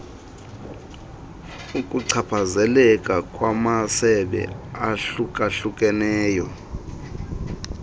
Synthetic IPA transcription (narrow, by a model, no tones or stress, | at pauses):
ukʼuǀʰapʰazɛlɛkʼakʼwamasɛɓɛ̰aɬukʼaɬukʼɛnɛːjɔ